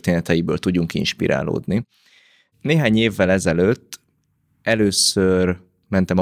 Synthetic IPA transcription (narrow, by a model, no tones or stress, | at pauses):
rt̪eːnɛt̪ɛjibø̰ːlt̪uɟːuŋkḭnʃpḭɾa̰ːlo̰ːd̪ni | neːɦaːɲeːvːɛlɛzɛløt̪ː | ɛløːsør | mɛnt̪ɛmɒ